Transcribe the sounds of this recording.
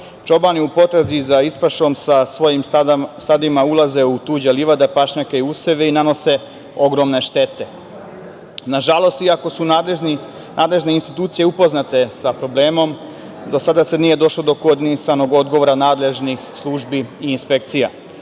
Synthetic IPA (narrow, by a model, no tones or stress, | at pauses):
t͡ʃo̞baniupo̞t̪ɾezizaispaʃo̞msasʋo̞jimst̪ad̪imaulˠaze̞ut̪uːd͡ʑeliʋad̪epaʃɲakeiuseʋeinano̞se̞ | o̞ɡɾo̞mne̞ʃt̪e̞t̪e̞ | naʒalo̞st̪iako̞su | nʔaːd̪le̞ʒne̞inst̪it̪uːt̪sije̞upo̞znat̪e̞sapɾo̞ble̞ːmo̞m | d̪o̞sad̪asenije̞d̪o̞ʃlo̞d̪o̞kod̪inisano̞ɡo̞d̪ɡoʋoɾanaːd̪le̞ʒnixslˠuːʒbiiːnspe̞k̚t̪sija